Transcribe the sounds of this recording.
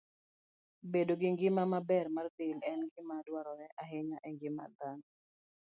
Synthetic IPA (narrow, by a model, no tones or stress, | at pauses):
bedoɡɪŋɡɪmamabɛrmart̪ɪlɛnɡɪmadwaɾɔɾɛʔaɦɪɲaʔɛŋɡɪma̰d̪an